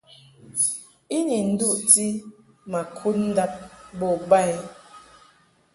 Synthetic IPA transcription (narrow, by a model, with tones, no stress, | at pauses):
i˦ni˨n̩˦du˦ʔti˦ | ma˨kʰu˦t̚n̩˦da˦p̚bɔ˦˨ba˦